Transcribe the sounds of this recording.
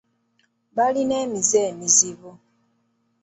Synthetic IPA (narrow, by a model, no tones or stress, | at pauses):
βalineːmizeːmiziβu